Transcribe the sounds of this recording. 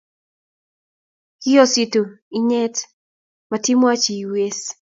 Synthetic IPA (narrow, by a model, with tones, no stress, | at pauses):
kɪ˦ɔ˦si˨to˨i˦ɲɛ˦t | mati˦mwa˦t͡ʃi˨we˦s